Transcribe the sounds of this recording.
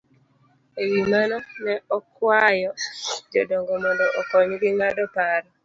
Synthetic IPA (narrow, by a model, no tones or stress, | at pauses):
ewimanɔnɛɔkwajɔd͡ʒodoŋɡomɔndɔʔokɔɲɡiŋadɔpaɾɔ